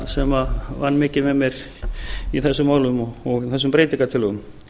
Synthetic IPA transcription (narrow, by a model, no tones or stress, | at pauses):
sɛmavanːmɪːcɪmɛðmjɛɾ | iθɛsːʏmːaːwlʏmɔɔɣiθɛs̬ːʏmpɾeːjt̪iŋkat̪ʰɪlɔðʏm